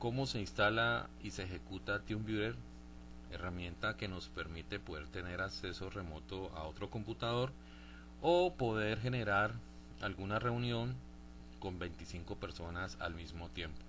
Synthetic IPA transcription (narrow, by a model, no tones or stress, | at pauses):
ko̞mo̞se̞inst̪ala | iseːxe̞kut̪at̪jumbjuðeɾ | e̞ramje̞nt̪ake̞no̞spe̞ɾmit̪e̞po̞ðe̞ɾt̪e̞ne̞ɾakse̞so̞re̞mo̞t̪o̞a̰o̞t̪ɾo̞ko̞mput̪að̞o̞ɾ | opo̞ðe̞ɾxe̞ne̞ɾaɾ | alɡunare̞unjo̞ŋ | ko̞mbe̞jnt̪isiŋko̞pe̞ɾso̞nasa̰lmizmot̪je̞mpo̥